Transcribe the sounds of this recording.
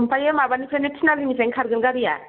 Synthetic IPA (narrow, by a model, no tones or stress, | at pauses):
mpajemabanipʰenetʰinalimiseŋkʰaɾɡɯnɡaɾija̰